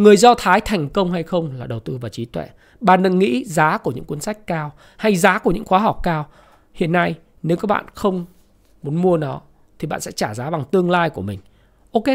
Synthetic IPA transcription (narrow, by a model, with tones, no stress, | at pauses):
ŋɨ˨˩əjzɔ˧t̪ʰaː˨˦jt̪ʰa˨˩jŋ̟kə˧wŋ͡mha˧jxə˧wŋ͡mlaː˨˩ɗə˨˩wt̪ɨ˧vaː˨˩t͡ɕi˨˦t̪wɛ̰˧˨ | ɓa̰ː˧˨nɗɨ̰˧˩ŋŋḭ˧˥zaː˨˦ku˧˩əɲɨ̰˧˥ŋki˨˦nsa˦˥jk̟̚kaː˧w | ha˧jzaː˨˦ku˧˩əɲɨ̰˧˥ŋxwaː˨˦ɦɔ˨˩wk͡p̚kaː˧w | hḭ˧˨ənːa˧j | ne˨˦wkaː˨˦˥ɓa̰ː˧˨nxə˧wŋ͡m | mu˨˦nmu˧ənɔ˨˦ | t̪ʰi˨˩ɓa̰ː˧˨nsɛ̰˧˥t͡ɕaː˧˩zaː˨˦ɓa˨˩ŋt̪ɨ˧əŋlaː˧jku˧˩əmï˨˩ŋ̟ | ʔo˨˧˦ke˨˦